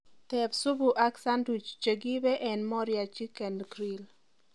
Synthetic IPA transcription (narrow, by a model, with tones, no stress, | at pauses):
t̪ɛbsʊ˦bu˨ʔa˦ksa˦ndu˨t͡ʃt͡ʃəɡi˦bɛ˦ʔɛnmɔ˦ɾjat͡ʃi˦kɛ˨ndkɾil